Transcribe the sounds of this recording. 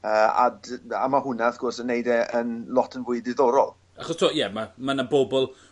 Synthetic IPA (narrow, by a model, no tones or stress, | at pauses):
əːa̰da̰mahʊnaaθɡ̥ʊrsənːejdɛʔənlˠɔtʰənvʊɨdɪðɔɾɔlˠ | aχɔstʰoːɔjɛmamanabobɔlˠ